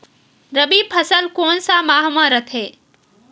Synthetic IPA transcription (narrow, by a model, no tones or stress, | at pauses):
ɾəbipʰəsəlkoːnsamaːɦmãɾət̪ʰeː